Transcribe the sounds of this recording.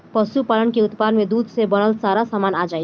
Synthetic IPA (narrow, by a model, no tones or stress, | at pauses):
pəsupaːlənkeʊt̪pad̪nmẽd̪uːd̪ʱsebəɽ̃əlsaɾasaːmaːnad͡ʒaːi